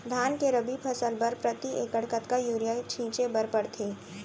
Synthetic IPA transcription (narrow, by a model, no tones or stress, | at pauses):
d̪ʱaːnkeɾɐbipʰɐsəlbəɾpɾɐt̪iʔeːkəɽkət̪kajuːɾijat͡ʃʰĩːt͡ʃebɐɾpəɽt̪ʰeː